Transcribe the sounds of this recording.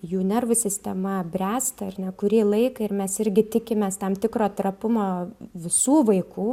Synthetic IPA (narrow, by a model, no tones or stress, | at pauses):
juːnʲɛrʋʊsʲɪsʲt̪ʲɛmɐbʲrʲæːst̪ɐɐrʲnʲɛkʊɾʲiːlˠɐɪkɐɪɾmʲɛsɪɾʲɡʲɪt̪ʲɪkʲɪmʲeːst̪ɐmt̪ʲɪkɾoːt̪ɾɐpʊmoːʋʲɪsuːʋɐɪkuː